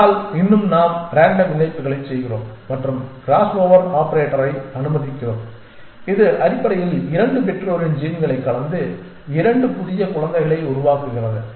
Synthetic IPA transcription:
lɪnːɯmnaːmɾaːɳɖɐʋɪnɐɪpːɯɣɐɭɐɪt͡ʃsɛjɣɪro̰ːmːɐʈrɯmɡɾaːsoːʋɐɾaːpɐɾeːʈːɐɾɐɪɐnɯmɐðɪkːɪroːm | ɪðɯʔɐɾɪpːɐɾɐjɪlɪɾɐɳɖɯpɛʈroːɾɪnd͡ʒiːnɡɐɭɐɪkːɐɭɐnd̪ɯ | ɪɾɐɳɖɯpʊðɪjɐkʊɭɐnd̪ɐɪɣɐɭɐɪʊɾʊʋaːkɯɣɪrɐðɯ

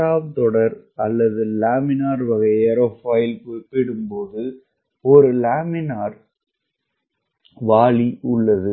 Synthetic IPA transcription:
aːʋt̪ɔɽɐɾɐlːɐðɯlaːmɪnaːɾʋɐɣɐɪɛɾofaːjɪlkoɪpːɪɽɯmpoːðɯ | ɔɾɯlaːmɪnaːɾ | ʋaːɭiʊɭːɐðɯ

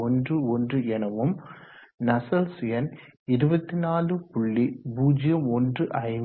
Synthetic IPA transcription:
ɔndrɯɔndrɯɛnɐʋɯmnɐsɐlsɪjɐnɪɾɯbɐt̪ːinaːlɯpʊɭːibuːd͡ʒɪjɐmɔndrɯʔɐɪm

